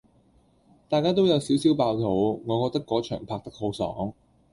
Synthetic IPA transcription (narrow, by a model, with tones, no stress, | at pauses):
t̪aː˨˧jkaː˥t̪̬o˥wjɐ˨˧wsiː˨˥wsiː˨˥wpaː˧wt̪ʰo˨˧˥wŋɔː˨˧kɔː˧k̚t̪ɐ˥kːɔː˨˥t͡ʃʰœː˨˩ŋpʰaː˧k̚t̪ɐ˥k̚ho˨˥wsɔ̰ː˨˥ŋ